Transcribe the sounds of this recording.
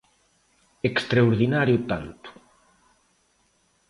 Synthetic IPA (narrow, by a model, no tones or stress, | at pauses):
ekst̪ɾaoɾðinaɾjʊt̪ant̪ʊ̥